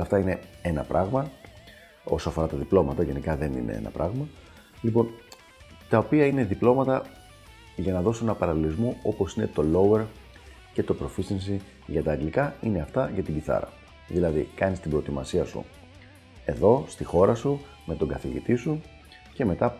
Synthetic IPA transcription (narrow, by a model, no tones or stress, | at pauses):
ft̪ɐine̞e̞nɐ̰pɾʔɐɣmɐ | o̞soɐfo̞ɾɐt̪ɐðiplo̞mɐt̪ɐʝe̞nikɐðe̞nḭne̞̰ḛnɐpɾɐɣmɐ | lipo̞n | t̪ɐopiɐine̞ðiplo̞mɐt̪ɐ | ʝɐnɐðo̞se̞nɐpɐɾɐlilizmoo̞po̞sine̞t̪o̞lo̞we̞ɾ | ce̞t̪o̞pɾo̞fisinsi | ʝɐt̪ɐːɡlikɐine̞ɐft̪ɐʝɐt̪iɟiθɐ̰ɾɐ̰ | ðilɐðḭkɐnist̪ibɾo̞et̪imɐsiɐsṵ | e̞ðo̞st̪ixo̞ɾɐsu | me̞t̪o̞ɡɐθiʝḭt̪isu | ce̞me̞t̪ɐ